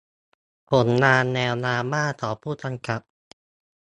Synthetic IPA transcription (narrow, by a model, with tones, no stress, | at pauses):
pʰo˩˦nːaː˧nːɛː˧wnaː˧mːaː˥˩t̪ʰɔː˩˦pʰuː˥˩t̪a˧ŋka˨˩p̚